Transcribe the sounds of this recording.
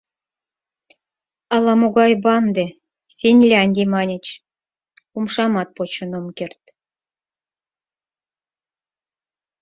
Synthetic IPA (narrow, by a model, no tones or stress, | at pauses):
ɑlˠɑmoɣɑjbɑnd̪e | fʲinʲlʲɑnʲdʲijmɑnʲə̆t͡ɕ | umʃɑmɑt̪̚pot͡ɕŏnomkert̪